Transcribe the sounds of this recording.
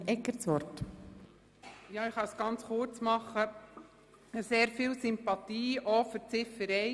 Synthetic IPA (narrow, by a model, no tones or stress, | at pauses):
ɛkːəɾt͡sʋɔɾt | jɑːɪχɑsɡ̥ɑnt͡sχʊɾt͡smɑχə | əseːɾfiːlsʏmpɑt̪iːʔɔfʏɾt͡sɪfəɾɛɪ